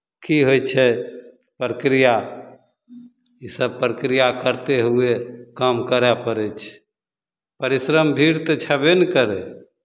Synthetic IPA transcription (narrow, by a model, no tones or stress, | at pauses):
kiɦojt͡ʃʰɛ | pɾəkɾija | isəb̚pɾəkɾijakəɾt̪eɦuekəmkəɾɛpəɾɛt͡ʃʰ | pəɾisɾəmbʱiɾt̪ɔt͡ʃʰɛbenkəɾɛ